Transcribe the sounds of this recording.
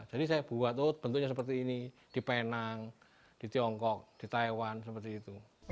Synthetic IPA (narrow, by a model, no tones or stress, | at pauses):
d͡ʒ̥adisajab̥uat̪ob̥ənt̪uk̚ɲasəpərt̪iːni | d̥i̤penaŋ | d̥i̤t̪iɔŋkɔk̚d̥i̤t̪aewansəpərt̪iːt̪u